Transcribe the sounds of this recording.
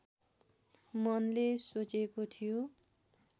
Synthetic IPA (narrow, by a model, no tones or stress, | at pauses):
mʌnlesot͡sekot̪ʰijo